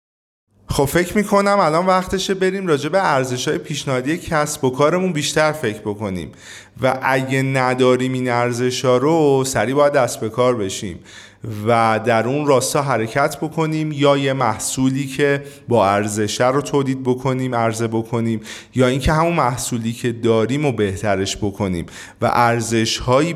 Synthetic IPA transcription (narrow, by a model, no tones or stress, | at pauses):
xo̞b̥fe̞cʰmiːkʰo̞næmælɒnvæχt̪ʰe̞ʃebe̞ɾiːmrɒːd͡ʒe̞beæɾze̞ʃhɒːje̞pʰiːʃnæhɒːd̪ijecʰæsbo̞kʰɒːɾe̞munbiːʃt̪æɾfe̞cʰbo̞ko̞nḭːm | væʔæɟenæd̪ɒːɾiːminæɾze̞ʃɒːɾosæɾiːbɒːjæd̪ːæsbe̞kʰɒːɾbe̞ʃḭːm | væd̪æɾunrɒːst̪ɒːɦæɾe̞cʰæt̪ʰbo̞kʰo̞niːmjɒːje̞mæhsuːliːcʰe̞bɒːæɾze̞ʃæɾot̪ʰoːliːd̪̚bo̞kʰo̞niːmæɾze̞bo̞kʰo̞niːm | jɒːiːŋcʰe̞ɦæmunmæhsuːliːcʰe̞d̪ɒːɾiːmobe̞ht̪ʰæɾe̞ʃbo̞kʰo̞nḭːm | væ̰ʔæɾze̞ʃhɒːiː